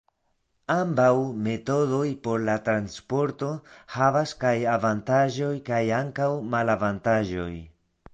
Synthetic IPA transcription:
ambawme̞to̞do̞jpo̞ɾlatɾanspo̞ɾto̞havaskajavantaʒo̞jkajaŋkawmalavantaʒo̞̰j

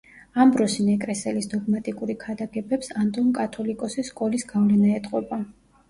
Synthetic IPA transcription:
ambɾɔsinɛkʼɾɛsɛlisd̪ɔɡmat̪ʼikʼuɾikʰad̪aɡɛbɛpsand̪ʼɔmkʼat̪ʰɔlikʼɔsiskʼɔlisɡavlɛnaɛt̪ʼqʼɔba

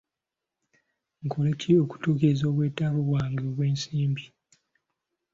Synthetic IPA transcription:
ŋkolecio̞ku̥tuːkezo̞ːβweːtaːβuβwaːŋɡeoβweːnsiːmbi

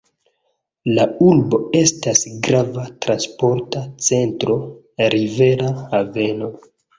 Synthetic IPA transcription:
laulbo̞e̞stasɡɾavatɾanspo̞ɾtat͡se̞ntɾo̞ | ɾive̞ɾahave̞no̞

